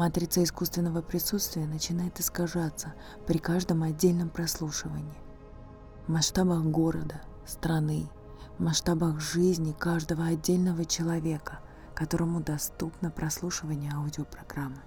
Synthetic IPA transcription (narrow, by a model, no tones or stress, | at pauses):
mɐt̪ɾʲit̪səɪskust̪vʲɪnːəvəpɾʲɪsut̪st̪vʲɪjənət͡ɕɪnajɪt̪ɨskɐʐat̪sːə | pɾʲɪkaʐd̪əmɐdʲːelʲnəmpɾɐslˠuʂɨvə̰nʲɪː | mɐsʂt̪abəxɡo̞ɾəd̪ə | st̪ɾɐnɨ | mɐʂt̪abəxʐɨzʲnʲɪkaʐd̪əvəɐdʲːelʲnəvət͡ɕɪlˠɐvʲe̞kə | kɐt̪o̞ɾəmʊd̪ɐst̪upnəpɾʔɐslˠuʂɨvənʲɪjəaʊdʲɪəpɾɐɡɾamːɨ